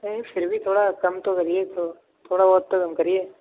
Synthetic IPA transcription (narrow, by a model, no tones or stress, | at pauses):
efʰɪɾbʱit̪ʰoːɽakɐmt̪okəɾijet̪oː | t̪ʰoːɽaoɦtt̪ːokəmkəɾijeː